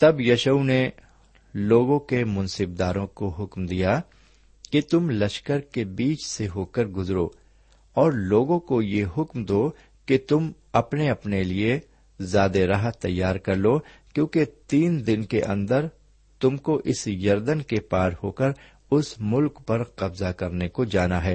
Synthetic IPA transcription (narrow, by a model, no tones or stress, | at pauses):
t̪ɐbjɐʃəne | loːɡõkemʊ̃nsɪb̚d̪aːɾõkoɦʊkmd̪ija | kit̪ʊmlɐʃkəɾkebiːt͡ʃseɦoːkəɾɡʊzɾoː | ɔːɾloːɡõkojeɦʊkmd̪oː | ket̪ʊm | ɐpneɐpnelie | zaːd̪eɾaɦət̪ːɐjːaːɾkɐɾloːkjõːket̪iːnd̪ɪnkeʔɐ̰̃nd̪əɾ | t̪ʊmkoʔɪsjɐɾd̪ənkepaːɾhoːkəɾ | ʊsmʊlkpɐɾqɐbzakɐɾnekod͡ʒaːnaɦɛː